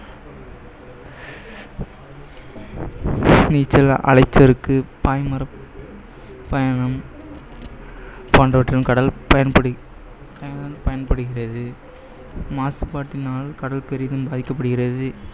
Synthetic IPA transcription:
niːt͡ʃːɐlʔɐ̰lɐɪt͡ʃːɐɾɯkːɯpaːjmɐɾɐ | pɐjɐɳɐm | paːɳɖɐʋɐʈrɪmkɐɽɐlpɐjɐnpɐɽɯ | kɐjɐnɐnpɐjɐnpɐɽɯɣɪrɐðɯ | maːsɯpaːʈːɪnaːlkɐɽɐlpɛɾɪjɐðɯmbaːðɪkːɐp̬ːɐɽɯɣɪrɐðɯ

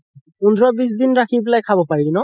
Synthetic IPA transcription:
und̪ʱɹɔbis̬dinɹakʰibilajkʰabɔpaɹinɔ

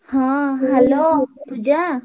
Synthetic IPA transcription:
hãɦɛlopud͡ʒa

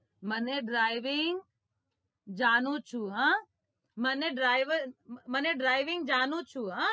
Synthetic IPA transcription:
məneɖɾaːɪʋɪŋɡ | d͡ʒaːnut͡ʃʰuɦãː | məneɖɾaːɪʋəɾməneɖɾaːɪʋɪŋɡ̚d͡ʒaːnut͡ʃʰuɦãː

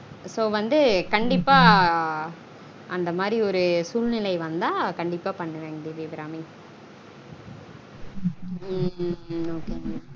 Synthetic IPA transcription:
soːʋɐnd̪ɯkɐɳɖɪpːaː | ʔɐnd̪ɐmaːd̪ɾiɔɾɯsuːlnɪlɐɪʋɐnd̪ãːkɐɳɖɪpːaːpɐɳːɯʋeːŋɡɐd̪eʋiːbɾaːmɪŋ | oːkeː

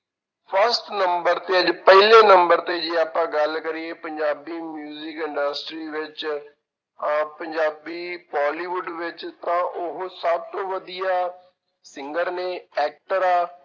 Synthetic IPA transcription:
pʰəɾsʈnəmbəɾt̪eːəd͡ʒpɛɦleːnəmbəɾt̪eːd͡ʒeːaːpãːɡəlkəɾieːpəɲd͡ʒaːbiːmjuːzɪkɪ̃ɳɖəsʈɾiːʋɪt͡ʃ | pəɲd͡ʒaːbiːpɔːliːʋʊɖʋɪt͡ʃt̪ãːʔʊɦsəb̚t̪õːʋəd̪ijaː | sɪŋɡəɾneːɛːk̚ʈəɾaː

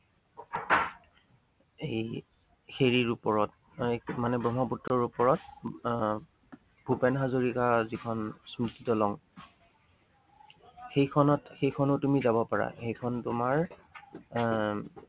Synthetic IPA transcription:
ej | xeɹiɹupɔɹɔt | manɛbɹɔmɔputːɹɔɹupɔɹɔt̚ | bʱupɛnɦazoɹikazikʰɔnsmititɔlɔŋ | xejkʰɔnɔtxejkʰɔnotumizabɔpaɹa̰xejkʰɔntʊmaɹ

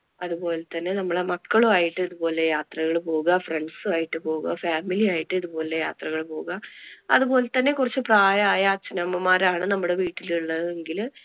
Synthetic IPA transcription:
ɐðupo̞ːle̞t̪ːɐnːe̞nɐmːɐɭemɐkːɐɭuaːjiʈːɨiðupo̞ːle̞jaːt̪rɐɣɐɭpo̞ːɣuɣɐfreɳɖsɨaːjiʈːɨpo̞ːɣuɣɐfaːmiliaːjiʈːɨiðupo̞ːle̞ja̰ːt̪rɐɣɐɭpo̞ːɣuɣɐɐ̰ðupo̞ːlet̪ːɐnːe̞kurɐt͡ɕːɨpraːjɐaːjat͡ɕːinɐmɐmaːɾaːɳɨnɐmːuɽe̞ʋiːʈːiluɭːɐðɨe̞ŋɡil

